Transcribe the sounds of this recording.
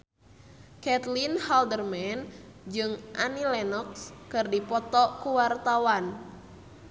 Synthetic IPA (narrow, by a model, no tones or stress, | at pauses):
kɛt̪linhaldərmɛnd͡ʒɨŋʔanilɛnɔkskɨrdipɔt̪ɔkuwart̪awan